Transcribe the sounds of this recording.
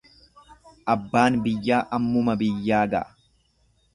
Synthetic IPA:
ʔɐbːaːnbɪjːaːʔɐmːʊmɐbɪjːaːɡɐ̰ʔɐ̥

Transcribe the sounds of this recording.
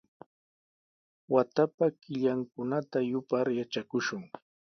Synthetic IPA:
wat̪apakɪʎaŋkʊnat̪ajʊpaɾjat͡ʃakʊʃʊŋ

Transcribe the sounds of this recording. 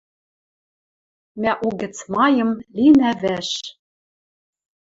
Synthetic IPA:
mæʔuɡɘ̆t͡smɑjɤ̆mlinævæʃ

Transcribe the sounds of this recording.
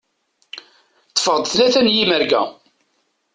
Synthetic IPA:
t̪ːə̥fəʁd̪θlæθænjiməɾɡæ̰

